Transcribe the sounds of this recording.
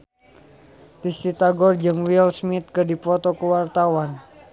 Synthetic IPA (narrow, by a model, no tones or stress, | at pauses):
dist̪it̪aɡɔrd͡ʒɨŋwilsmit̪̚kɨrdipɔt̪ɔkəwart̪awan